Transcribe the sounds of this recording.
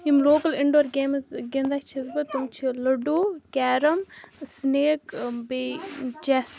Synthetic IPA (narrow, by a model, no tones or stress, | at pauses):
imloːkɐlɪɳɖoːɾɡeːmzɡend̪akt͡ʃʰizbɐt̪ɐmt͡ʃʰilɐɖuːkɛːɾɐmsneːkbet͡ʃɛːs